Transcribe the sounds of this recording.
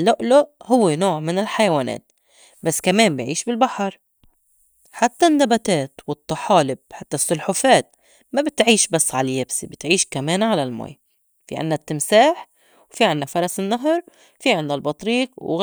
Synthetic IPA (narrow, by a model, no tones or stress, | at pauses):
lːʊʔlʊʔhʊwːenoːʕmɪnɪlħajawaːnḛːt̪̚ | basːkameːmbɪjʕiːʃbɪlbaħɑɾˤ | ħat̪ːanːabat̪eːt̪wɨt̪ˤːɑħɑːlɪb̚ħat̪ːasːʊlħʊfeːt̪̚ | mabɪt̪ʕiːʃbasːʕalajabsḭbɪt̪ʕiːʃkameːnʕalalmo̰ːj | fḭʕɪ̰nːat̪ːɪmsaːħ | wfiʕɪnːafɑɾˤɑsɪnːaɦɾˤ | fiʕɪndalbɑt̪ˤɾiːqwɣ